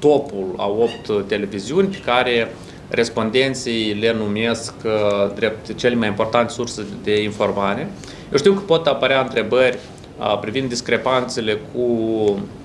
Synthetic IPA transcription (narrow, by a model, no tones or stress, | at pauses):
t̪o̞pula̰o̞pt̪ːe̞le̞viziunʲpekaɾe̞ | rʔe̞spo̞nd̪e̞nt̪sijle̞nume̞skd̪ɾe̞p̚t̪t͡ʃe̞lemajimpo̞rt̪ant̪ʲsursed̪e̞info̞rmaɾe̞ | jewʃt̪iwkəpo̞t̪apəɾʲeaɨnt̪ɾe̞bərʲ | pɾivind̪ːiskɾe̞pant̪se̞le̞kʰu